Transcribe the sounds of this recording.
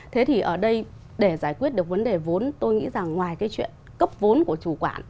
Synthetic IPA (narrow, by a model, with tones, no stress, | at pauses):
t̪ʰe˨˦t̪ʰi˨˩ʔəː˧˩ɗə˧j | ɗe˧˩zaː˧˩jkwi˦˥ət̚ɗɨ˨˩k̚və˨˦nɗe˨˩vo˨˦nt̪o˧jŋḭ˧˥za˨˩ŋːwaː˨˩jkaː˨˦jt͡ɕwḭ˧˨ənkə˦˥p̚vo˨˦nku˧˩ət͡ɕu˧˩kwa̰ː˧˩n